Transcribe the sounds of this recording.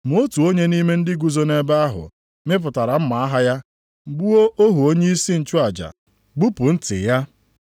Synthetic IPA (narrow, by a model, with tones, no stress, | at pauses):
m˨o˦tu˨o˦ɲe˦ni˦me˦n̩˦dɪ˦ɡu˦zo˦ne˦ba˦a˦ɦʊ̰˨ | me˦p̬ʊ˨ta˨ɾa˨m̩˦ma˨a˦ɦa˦ja˦ | ŋ͡m̩˨ɡ͡bu˦o˦ʔo˦ɦu˨o˦ɲe˦i˦si˦n̩˨t͡ʃu˦a˨d͡ʒa̰˨ | ɡ͡bu˦pʊ˨n̩˦tɪ̰˨ja˦